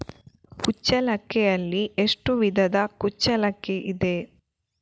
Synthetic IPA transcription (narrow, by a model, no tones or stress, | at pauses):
kut͡ʃːɐlɐkːɛjɐlːieʂʈuʋid̪ʱɐd̪ɐkut͡ʃːɐlɐkːeʔid̪e